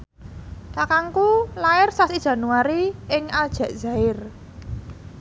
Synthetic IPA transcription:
kakaŋkulaɪrsasid̥ʒ̥a̤nuaɾiɪŋad̥ʒ̥ä̤ʔz̥a̤ɪr

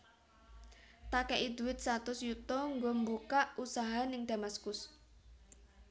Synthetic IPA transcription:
t̪akɛʔid̪̥uwɪt̪̚sat̪ʊsjut̪ɔŋɡombukaʔusaɦanɪŋd̪̥a̤maskʊs

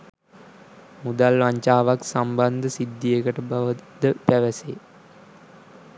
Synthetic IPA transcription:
mud̪alʋaɲt͡ʃaːʋaksamband̪əsid̪ːijəkəʈəbaʋəd̪əpæʋəse

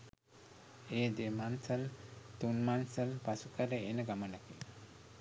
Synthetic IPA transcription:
eːd̪emansəlt̪unmansəlpasukəɾəenəɡamənəkin

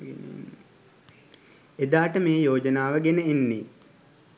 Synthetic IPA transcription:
n | ed̪aːʈəmeːjoːd͡ʒənaːʋəɡenəenːi

